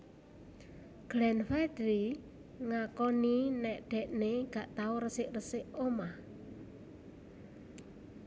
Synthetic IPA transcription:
ɡ̥lɛnfɛd̪ɾi | ŋakɔninɛʔɖ̪̥ɛ̤ʔneɡ̥a̤ʔt̪auɾəsɪʔrəsɪʔomah

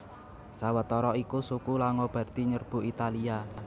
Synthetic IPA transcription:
sawət̪ɔɾɔikusukulaŋob̥ä̤rt̪iɲərb̥ṳʔit̪alia

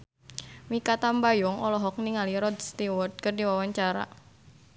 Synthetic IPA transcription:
mikat̪ambajɔŋɔlɔɦɔk̚niŋaliɾɔd̪st̪iwɔrd̪̚kərdiwawaɲt͡ʃaɾa̰

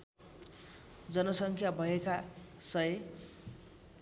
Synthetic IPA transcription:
d͡zʌnʌsʌŋkʰjabʱʌekasʌe

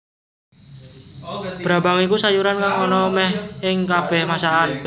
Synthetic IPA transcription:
b̥ɾabaŋikusajuɾankaŋɔnɔmɛhɪŋkab̥ɛhmasaan

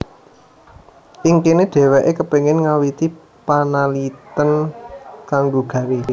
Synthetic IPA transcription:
ʔiŋkeneɖ̥ɛ̤wɛʔekəpeŋɪnŋawit̪i | panalit̪ən | kaŋɡoɡ̥ä̤we

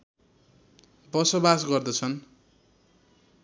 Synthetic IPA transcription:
bʌsʌbasɡʌrd̪ʌt͡sʰʌn

